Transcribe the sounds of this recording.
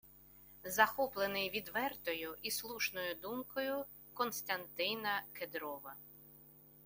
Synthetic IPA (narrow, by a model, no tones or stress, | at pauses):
zɐxɔplˠenɪjʋʲid̪ʋɛrt̪ɔjʊʔislˠuʃnɔjʊd̪umkɔjʊ | kɔnst̪ɐnt̪ɪnɐked̪ɾɔʋɐ